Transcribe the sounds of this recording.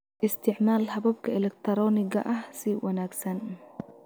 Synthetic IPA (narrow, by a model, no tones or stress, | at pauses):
ʔɪst̪ʰɪʕmaːlɦɐβɐb̚kʰɐɛlɛkt̪ʰɐɾɔːnɪɣɐ̰ʔɐhsɪwɐnaːɡsɐn